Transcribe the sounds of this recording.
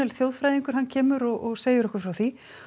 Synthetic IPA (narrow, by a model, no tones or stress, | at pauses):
ɛlθjowð̥fɾajðiŋkʏɾ̥ɦanːcʰɛːmʏɾɔɣɔɣseːjʏɾɔhkʏ̥fɾawθi